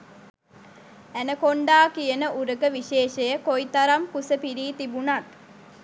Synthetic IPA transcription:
ænəkoɳɖaːkijənəʔuɾəkəʋiʃeːʃejəkoit̪aɾamkusəpiɾiːt̪ibunat̪

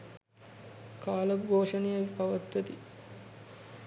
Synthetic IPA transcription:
kaːlɐbɡʱoːʂɐnijɐipɐʋɐt̪ʋɐt̪i

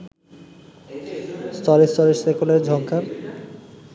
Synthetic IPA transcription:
st̪ʰɔɾest̪ɔɾeɾsejkuleɾd͡ʑʱɔŋkʰan

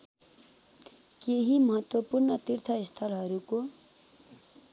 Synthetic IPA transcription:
keɦimʌɦʌt̪wʌpurnʌt̪irt̪ʰʌist̪ʰʌlɦʌɾuko

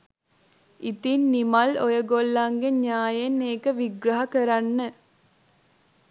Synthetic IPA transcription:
it̪inːimalojəɡolːaŋɡeɲaːjenːeːkəʋiɡɾɐɦakəɾanːə

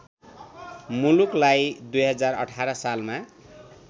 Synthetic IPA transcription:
muluklajd̪ujɦʌd͡zarʌ̰ʈʰaɾʌsalma

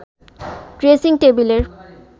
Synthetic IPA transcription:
ʈɾesiŋʈebileɾ

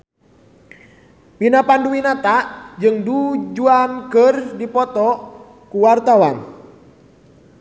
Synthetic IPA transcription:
pinapanduwinat̪aʔd͡ʒɨŋdud͡ʒuankɨrdipɔt̪ɔ | kuwart̪awa̰n

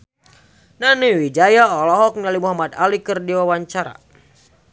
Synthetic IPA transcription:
naniwid͡ʒajaɔlɔɦɔk̚nalimuɦamad̪a̰likɨrdiwawaɲt͡ʃaɾa̰

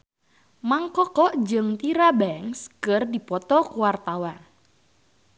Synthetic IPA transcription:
maŋkɔkɔʔd͡ʒɨŋt̪iɾabɛŋskɨrdipɔt̪ɔkuwart̪awan

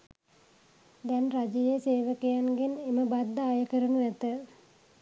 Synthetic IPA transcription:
d̪ɛnrad͡ʒɐjeseːʋəkejanɡeneməbad̪ːaːjəkəɾənuʋæt̪ə

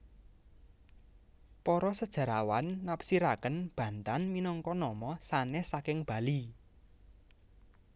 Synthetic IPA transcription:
pɔɾɔsəd̥ʒ̥a̤ɾawanːapsiɾakənb̥ä̤nt̪anminɔŋkɔnɔmɔsanesakɪŋb̥a̤li

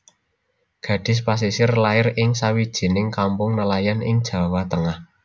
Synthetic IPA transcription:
ɡ̥ä̤ɖ̥ɪ̤s̬pas̬isɪrlaɪrɪŋsawid̥ʒ̥i̤nɪŋkampʊŋnəlajanʔɪŋd̥ʒ̥ä̤wat̪əŋah

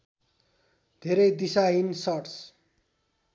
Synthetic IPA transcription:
d̪ʱeɾʌjd̪isaɦinsʌʈs

